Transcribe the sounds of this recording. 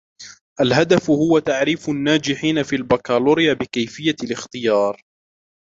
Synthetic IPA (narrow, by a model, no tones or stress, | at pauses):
ʔalɦad̪afhʊwat̪aʕɾiːfʊnːaːd͡ʒɪħiːnafiːlbakaːluːɾɪjabɪkajfɪjːalɪxt̪ɪjɑːɾˤ